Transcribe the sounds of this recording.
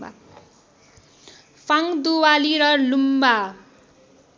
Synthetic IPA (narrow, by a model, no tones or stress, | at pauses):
fʰaŋd̪uwaliɾʌlumba